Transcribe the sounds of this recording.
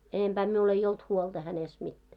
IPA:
enemb̥æː miul ei olt huold̥ɑ hænest mitːæː

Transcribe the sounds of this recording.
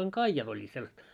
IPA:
oŋ kɑijɑt olʲːiːt selːɑst

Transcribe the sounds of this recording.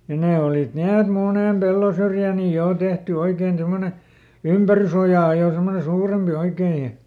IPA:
jɑ neː olit ni et muneˑm pelːosyrjæˑ ni joˑ tehty oikeːn semːone ympærysojɑˑ jo semːone suːrempi oikeː jɑ

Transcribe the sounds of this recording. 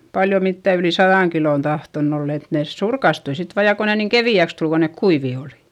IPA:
pɑljo mitːæ yli sɑðɑˑŋ kiloˑn tɑhtonː olː et neˑs surkɑstui sit ʋɑː jɑ ko ne niːŋ keʋiæks tul kon nek kuiʋiˑ oli̥

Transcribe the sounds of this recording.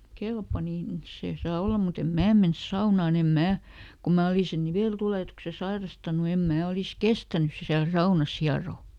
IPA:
kelpɑ nin se sɑː olːɑ mut em mæː mens sɑunɑˑn em mæː kum mæː oli sen niʋeˑltuleˑtukse sɑirɑstɑnu em mæː olis kestænys siæl sɑunɑs hiɑroˑ

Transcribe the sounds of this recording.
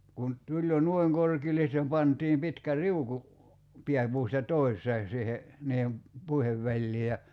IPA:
kun tulʲ jo nŭoi̞ŋ korkiːlˑe sĭtːem pɑntˑiːm pitkæ riuku piæpuːstɑ toisˑeːn̞ siːhe niːhem puiheʋ ʋælʲliː jɑ

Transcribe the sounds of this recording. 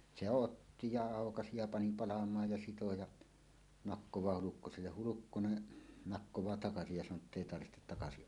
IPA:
se otːi jɑ ɑˑokɑsi jɑ pɑni pɑlɑmˑɑːj jɑ sito jɑ nɑkːowɑː hulukːoselːeh hulukːone nɑkːowɑː tɑkɑsij jɑ sɑnˑoː tːeˑi tɑrʋi̥htet tɑkɑsiʔ

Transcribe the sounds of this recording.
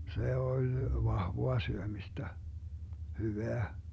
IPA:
se olʲ ʋɑhʋoɑ syømistæ hyʋeæ

